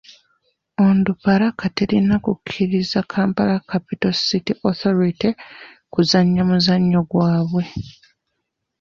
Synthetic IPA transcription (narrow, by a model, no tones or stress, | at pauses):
ondupaɾakateɾinakukʰːiɾizakʰaːmpalakapitositiʔoθo̞ɾiti | kuzaɲːamuzaɲːo̞ɡwaːβwe̞